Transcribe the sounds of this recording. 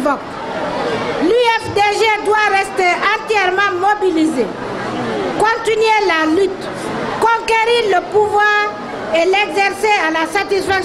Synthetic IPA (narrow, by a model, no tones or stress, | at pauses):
vɔk | lyɛfd̪eʒed̪waʁɛst̪eɑ̃t̪jɛʁmɑ̃mobilize | kɔ̃t̪inɥelalyt̪ | kɔ̃keɾiɾləpuvwaːʁ | elɛɡzɛʁsealasat̪isfak